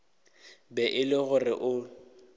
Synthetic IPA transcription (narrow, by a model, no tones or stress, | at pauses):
bɛʔɪlɪɣʊrɪʔʊ